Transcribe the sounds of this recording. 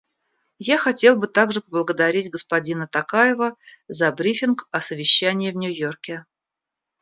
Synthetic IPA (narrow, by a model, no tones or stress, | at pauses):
jaxɐtʲe̞lˠbɨt̪aɡʐɨpəblˠəɡəd̪ɐɾʲitʲɡəspɐdʲinət̪ɐkajɪvəzɐbɾʲifʲɪnkɐsəvʲɪɕːænʲɪjɪvnʲʊjorkʲɪ